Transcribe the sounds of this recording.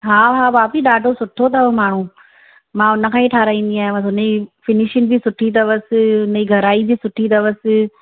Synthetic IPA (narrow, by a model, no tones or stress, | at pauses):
ɦaːɦaʋaːpiɗaːɖʱosʊʈʰot̪ɐʋmaːɳ̤ũ | mãːʊnəkʰãːĩʈʰaːɾaːĩːn̆d̪iaːɦẽmãt̪ʰonifɪnɪʃɪnɪ̆bisʊʈʰit̪ɐʋəsɪʊnɐiɡʱɐɾaːibʱisʊʈʰit̪ɐʋəsɪ̆